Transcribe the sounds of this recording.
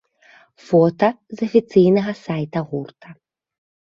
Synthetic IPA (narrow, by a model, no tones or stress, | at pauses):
fɔt̪ɐzɐfʲit̪sɨjnɐɣɐsajt̪ɐɣurt̪ʰɐ